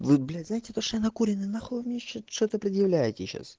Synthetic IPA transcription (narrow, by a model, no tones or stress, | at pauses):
vɨblʲæznaɪtʲɪt̪oʂt̪nɐkuɾʲɪnɨnaxovmʲnʲeɕot̪ʂt̪ot̪əpɾʲɪd̪jɪvlʲæjɪtʲɪɕːa̰s